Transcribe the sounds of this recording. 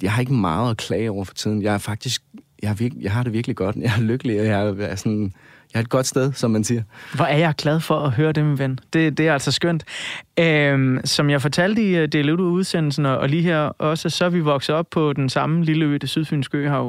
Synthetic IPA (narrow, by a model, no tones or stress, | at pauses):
jɑ̈ɪhɑ̈e̝ɡ̥əmɑ̈ːð̩ˠɒkʰlɛːɪɒʊ̰ɐfɒ̥̽t͡sʰið̞̰ˠn̩jɑ̈ɪæɐfɑ̈ɡ̥̚d̥isɡ̥jɑhɑʋiɐɡ̥jɑ̈ɪɦɑ̈ɾ̥eʋiɐɡ̥liɡ̥ɒ̽d̥jɑ̈ɪæɐløɡ̥əliɒjæɐsɒn | jɑhɑ̈e̝d̥̚ɡ̥ɒ̽d̥sd̥eð̞ˠsɒ̽mːænsiɐʋɒæɐjɑ̈ɪɡ̥lɛð̞ˠfɒ̽ɒɦøːɐd̥eminʋend̥e̝d̥e̝æɐæl̰sɒsɡ̥øn̰d̥øsɒ̽mjɑ̈ɪfɒt͡sʰæl̰d̥əid̥eled̥ouð̞ˠsen̰l̩sn̩ɒʔːliːɦeɐ̰ʔɒ̽səsɒ̽ʋiʋɒ̽ɡ̥s̩ˠɒ̽b̥̚pʰɒ̽d̥ensɑ̈məliləø̰ːd̥əsyð̞ˠfynsɡ̥ø̰ːhɑ̈ʊ